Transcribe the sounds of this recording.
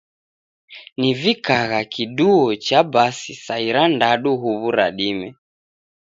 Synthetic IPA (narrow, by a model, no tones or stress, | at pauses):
nivikaɣakiɗuɔt͡ʃabasisaiɾandaɗuɦuβuɾa̰ɗimɛ